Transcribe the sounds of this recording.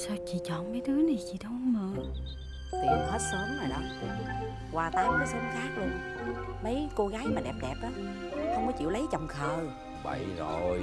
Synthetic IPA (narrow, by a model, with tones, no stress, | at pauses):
saː˧t͡ɕḭ˧˨t͡ɕɔ˧˨nmə˨˦jt̪ɨ˨˦əni˨˩jt͡ɕi˨ɗə˧whə˧wŋ͡mməː˨˩ | tḭ˨˩˨t̪ʰə˦˥t̚səː˨˦mna˨˩jɗɔ˨˦ | ɣwaː˨˩t̪aː˨˧˦wka˨˦sɛ˨˦xaː˦˥k̚lu˧ | mə˨˦jko˧ɣaː˨˦jmaː˨˩ɗɛ˨˩p̚ɗɛ˨˩p̚ʔaː˨˦˨ | xə˧wŋ͡mkɔ˨˦t͡ɕḭ˧˨wlə˨˦jt͡ɕɔ˨˩wŋ͡mxʰəː˨˩j | ɓa̰˧˩˨jzo˨˩j